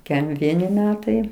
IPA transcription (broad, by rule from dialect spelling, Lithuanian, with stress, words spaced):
ˈkʲɛm ˈʋʲiɛnʲɪ ˈmʲæːtɐɪ